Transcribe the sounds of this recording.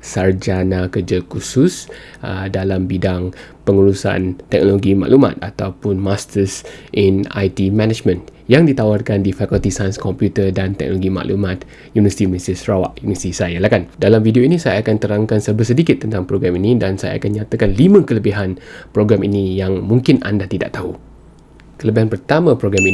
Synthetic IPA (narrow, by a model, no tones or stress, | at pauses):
sard͡ʒanakərd͡ʒakusʊs | ədalambidaŋpəŋuɾusa̰nt̪ɛk̚noloɡima̰ʔluma̰t̪̚at̪awpʊnmast̪əsʔɛna̰jt̪imɛnad͡ʒmə̃n | jaŋdit̪awarkandifakult̪isajnskɔmpjut̪ədant̪ɛ̰k̚noloɡima̰ʔlumat̪̚ | junivəsit̪imisisrawa̰ʔjuniəst̪isajalahkandalamfidioinĩsajaːkant̪əɾaŋkansəbəsədikɪt̪ːənt̪aŋpɾoɡɾaminĩdansaja̰a̰kanɲat̪akanlimə̃kələbiɦanpɾoɡɾaminĩjaŋmũŋkɪna̰ndaht̪ida̰ʔt̪au | kələbiɦanpərt̪amãpɾoɡɾami